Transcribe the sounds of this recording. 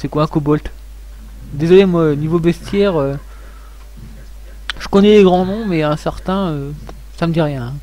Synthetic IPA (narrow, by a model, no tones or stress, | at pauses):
sɛkwaɛ̃kubɔlt̪ | d̪ezɔlemwaonivobɛst̪jɛːʁø | ʒəkɔnɛleɡʁɑ̃nɔ̃mɛɛ̃sɛʁt̪ɛ̃ø | saməd̪iʁjɛ̃